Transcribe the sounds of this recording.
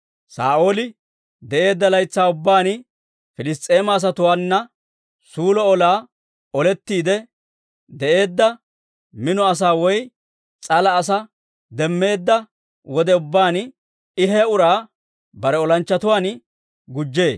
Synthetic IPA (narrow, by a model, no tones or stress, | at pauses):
sa̰ːʔo̞ːlɪ | d̪ɛʔe̞ːd̪ːɐlɐjt͡sːaːʊbːaːn | fɪlɪst̪ʼːe̞ːmɐːs̬ɐt̪ʊwaːnːɐ | suːlɔɔlaː | ɔlɛt̪ːiːd̪ɛ | d̪ɛʔe̞ːd̪ːɐ | mɪnɔɐs̬aːwɔj | t͡sʼɐlɐːs̬ɐ | d̪ɛmːe̞ːd̪ːɐ | wɔd̪ɛʊbːaːn | ɪɦɛʊɾaː | bɐɾɛɔlɐnt͡ʃːɐt̪ʊwaːn | ɡʊd͡ʒːe̞ː